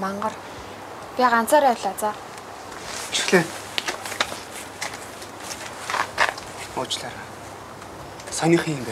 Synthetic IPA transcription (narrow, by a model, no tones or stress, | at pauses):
maɴɢə̆r | pʲiɢan̥t͡saːɾæwɮat͡saː | iʃɘ̥̆xɮeː | ʊːt͡ɕɮaːɾa | sɔnʲĭχiːmpæ